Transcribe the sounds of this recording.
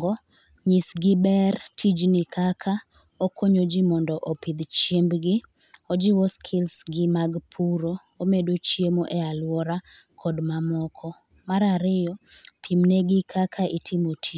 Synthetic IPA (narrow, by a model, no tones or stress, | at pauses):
ɡɔ | ɲisɡɪbɛrtʰid͡ʒnɪkʰakʰa | okʰoɲod͡ʒimɔndɔʔopɪd̪t͡ʃjembɡɪ | od͡ʒiwɔskʰɪlsɡɪmaɡpʰuɾo | omedot͡ʃjemoʔɛalwɔɾa | kʰɔdmamɔkʰɔ | maɾaɾɪjɔ | pʰimneɡɪkʰakʰaitʰɪmotʰi